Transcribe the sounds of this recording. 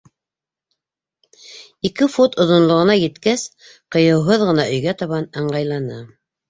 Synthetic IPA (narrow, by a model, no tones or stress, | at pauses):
ikɘfot̪ŏðŏnlˠɤ̆ʁɤ̆nɑjɘ̆t̪kæs | qɤ̆jɤ̆wɦoðʁɤ̆nɑʔɵ̆jɡæt̪ɑβɑnɤ̆ɴɢɑjlˠɑnɤ